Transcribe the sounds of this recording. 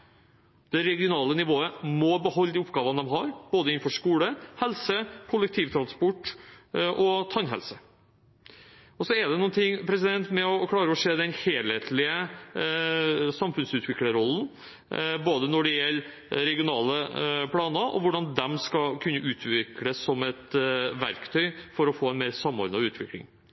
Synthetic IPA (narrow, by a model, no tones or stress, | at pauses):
d̪̥ɛɾɛɡɪʊnɑːlənɪʋoːəmɔbəhɔlːəd̪iːʊpɡɑːʋənəd̪ɛmɦɑɾb̥oːd̪əɪn̩fɔʂkuːləhɛlsəkʰʊlɛk̚t̪ʰiːʋt̪ʰɾɑnspɔʈː | ʔɔt̪ʰɑnɦɛ̰lsə | ɔsɔɛɖ̪ɛnuːnt̪ʰɪŋːpʰɾɛs̬ɪd̪ɛnt̪mɛɔkʰlɑːɾəɔʂeːd̪ɛnheːlheːt̪ʰlɪə | sɑmfʉnsʉːt̪ʰʋɪkləɾɔlːn̩ | boːd̪ənɔɖɛjɛlː | ɾɛɡɪʊnɑːləpʰɽɑːnəʔɔ̰ʋʊɖɑnd̪ɛmskɑkʰʉnːəʔʉːt̪ʰʋɪkɽəsɔmɛt̪ʋæ̰ɾkt̪ʰœʏfɔɾɔfoːɛɪnmeːɾsɑmɔ̰ɾɑʉːt̪ʰʋɪklɪ̰ŋ